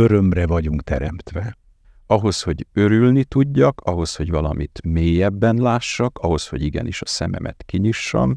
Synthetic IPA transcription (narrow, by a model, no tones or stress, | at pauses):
øɾømrɛvɒɟuŋkt̪ɛɾɛmt̪ʋɛ | ɒɦo̞sho̞ɟø̞ɾylnit̪uɟːɒkɒɦo̞sho̞ɟʋvɒlɒ̰mit̪meːjɛbːɛnlaːʃːɒkɒɦo̞sho̞̰ɟiɡɛ̰niʃɒsɛmɛ̰mʔɛ̰t̪kiɲiʃːɒ̰m